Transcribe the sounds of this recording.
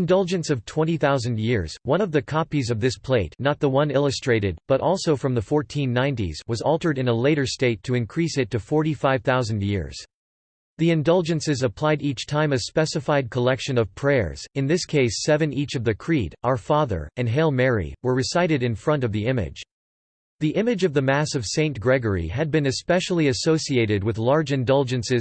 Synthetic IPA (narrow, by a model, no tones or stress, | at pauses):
ndʌlˠd͡ʒɨ̃nsʌv̥tʰw̥ɛ̃ñiθaʊzɨ̃ndjɪɹz̥wʌ̃ñʌvðɨkʰɑpizʌvðɪspʰl̥eɪtⁿnət̪̚ðəwʌ̃nɪlˠəstɹ̥eɪɾɨd̚b̥ʌɾʔɔlˠsoʊfɹʌ̃mðəfɔɹtʰĩnːãɪ̃ntḭz̥wʌzɔlˠtə˞ɾɨ̃nəleɪɾə˞steɪtʰɨɨ̃nkʰɹ̥isɨtʰɨfɔɹɾifaɪv̥θaʊzɨ̃ndjɪ̰ɹz̥ | ðiɨ̃ndʌlˠd͡ʒɨ̃nsɨzəpʰl̥aɪɾit͡ʃtʰãɪ̃mɨspɛsɨfaɪd̚kʰəlɛkʃɨ̃nʌv̥pʰɹ̥ɛɹz̥ɨ̃nðɪskʰeɪsɛvɨ̃nit͡ʃʌvðɨkʰɹ̥iɾaʊə˞fɑðə̰˞ɨ̃nɦɛlˠmɛɹḭwə˞ɹɨsaɪɾɨɾɨ̃nfɹʌ̃ntʌvðiɪ̃mɪ̰d̥d͡ʒ̥ | ðiʔɪ̃mɨd͡ʒʌvðɨmæsʌv̥sẽɪ̃nɡ̥ɹɛɡə˞ḭɨd̚bɨ̃nɨspɛʃl̩ˠiɨsoʊsieɪɾɨd̚wɨðlɑɹd͡ʒɨ̃ndʌlˠd͡ʒɨ̃nsɨz